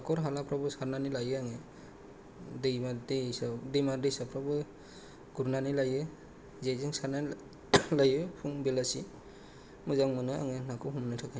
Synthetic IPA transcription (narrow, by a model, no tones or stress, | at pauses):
akʰɔɾɦalapʰɾɔbɯsaɾnanilajɯaŋe | dejmadisadijmaɾdisapʰɾɔbɯ | ɡ̥uɾnanilajɯ | zeziŋsaɾna | lajɯpʰuŋbelasi | mɯzaŋmɯnɯa̰ŋenakʰɔɦumnɯtʰɯkʰa